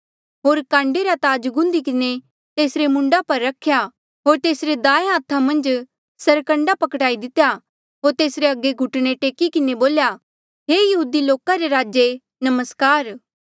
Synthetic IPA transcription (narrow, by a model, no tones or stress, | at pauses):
ɦoːɾkãːɳɖeɾat̪aːd͡ʒɡʊ̃nd̪ikɪne | t̪eːsɾemʊ̃ɳɖapɐɾːɐkʰja | ɦoːɾt̪eːsɾed̪aːeɦãːt̪ʰːamɐ̃nd͡ʒ | sɐɾkə̃ɳɖapɐkʈaːid̪ɪt̪ːeja | ɦoːɾt̪eːsɾeɐɡeɡʱʊʈɽ̃eʈeːkikɪneboːlja | ɦeːjɐɦuːd̪iloːkaɾeɾaːd͡ʒe | nɐməskaːɾ